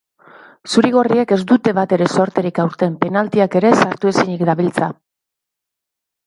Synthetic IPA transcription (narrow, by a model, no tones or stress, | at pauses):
suɾiɣ̞o̞rieke̞zd̪ut̪e̞β̞at̪e̞ɾe̞so̞ɾt̪e̞ɾikawɾt̪e̞mpe̞nalt̪iake̞ɾe̞saɾt̪ue̞siɲikd̪aβ̞ilt͡sa